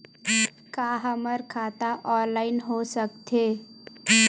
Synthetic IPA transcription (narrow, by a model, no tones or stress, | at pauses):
kaɦəməɾkʰat̪aʔɔnlaɪnɦosəkt̪ʰe